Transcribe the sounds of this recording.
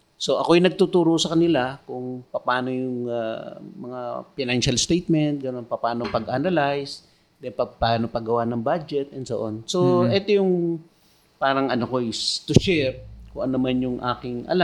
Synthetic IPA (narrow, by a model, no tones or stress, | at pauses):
so̞ʔɐkojnɐɡ̚t̪ut̪uːɾosɐkɐnɪlakʊŋpɐpaːno̞jʊŋamɐŋafɪnanʃalst̪ejt̪̚mɛnt̪̚ɡɐno̞npɐpaːnoŋpɐɡʔanɐlajs | d̪ɛnpɐpaːnopɐɡɐwanɐŋbad͡ʒɛt̪̚ʔɛnd̪soʔonsoʔɛːt̪ojʊŋ | paːɾɐŋɐnokost̪ʊʃɛɾkʊŋʔɐnonɐmanjʊŋʔa̰ːkɪŋʔɐ̰la